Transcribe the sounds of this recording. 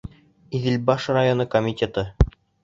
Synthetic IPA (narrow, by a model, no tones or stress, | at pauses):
iðɘ̆lbɑʃrajonɤkomʲitʲet̪ɤ